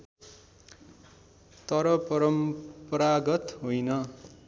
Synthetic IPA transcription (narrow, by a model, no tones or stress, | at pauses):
t̪ʌɾʌpʌɾʌmpraɡʌt̪ɦojnʌ